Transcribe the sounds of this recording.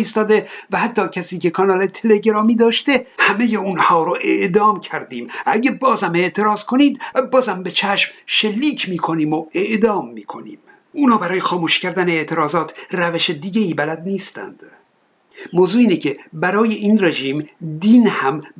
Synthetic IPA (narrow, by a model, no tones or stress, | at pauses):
iːst̪ɒːd̪e̞væhæt̪ʰːɒːcʰæsiːcekʰɒnɒːlet̪ʰele̞ɟeɾɒːmiːd̪ɒːʃt̪e̞hæme̞jeunhɒːɾoʔeʔd̪ɒːmcʰæɾd̪iːmæɟebɒːzæme̞ʔt̪ʰe̞ɾɒːzkʰo̞niːd̪bɒːzæmbe̞t͡ʃʰæʃmʃelːiːcʰmiːkʰo̞niːmoeʔd̪ɒːmːiːkʰo̞nḭːm | ʔuːnɒːbæɾɒːjexɒːmuːʃcæɾd̪æneeʔt̪ʰe̞ɾɒːzɒːt̪ʰræveʃed̪iːɟeiːbælæd̪niːst̪æ̰nd̪̥ | moːzuːiːnecʰe̞bæɾɒːje̞ʔiːnreʒiːmd̪iːnhæm